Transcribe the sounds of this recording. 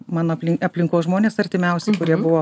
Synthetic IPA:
mɑːnoːpʲlʲɪɐpʲlʲɪŋkoːsʒmoːnʲeːsɐɾʲt̪ʲɪmʲɛʊsʲɛkʊɾʲiɛbʊʋoː

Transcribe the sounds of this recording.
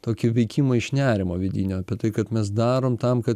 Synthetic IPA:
t̪oːkʲɪʋʲɛɪkʲimɐɪʃnʲæːɾʲɪmoːʋʲɪd̪ʲiːnʲoːɐpʲiɛt̪ɐɪkɐt̪mʲɛs̬d̪ɑːɾoːmt̪ɐmkɐt̪

